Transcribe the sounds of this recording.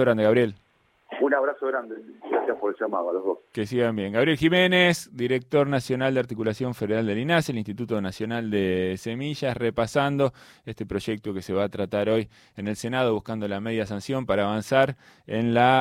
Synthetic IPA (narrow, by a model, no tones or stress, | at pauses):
oɣɾand̪eaβɾje̞l | unaβɾasoɣɾand̪eɡɾasjaspoɾelʒamaðoaloɦðoskesiɣambje̞ŋɡaβɾje̞lximenesd̪iɾek̚t̪o̞ɾnasjo̞nald̪eaɾt̪ikulasjo̞ɱfeðeɾald̪elinaselinst̪it̪ut̪o̞nasjo̞nald̪esemiʒasrepasand̪o̞est̪e̞pɾo̞ʒek̚t̪okeseβaːt̪ɾat̪aɾo̞j | ene̞lsenað̞o̞βuhkand̪o̞lameð̞jasansjo̞mpaɾaːβansaɾ | enla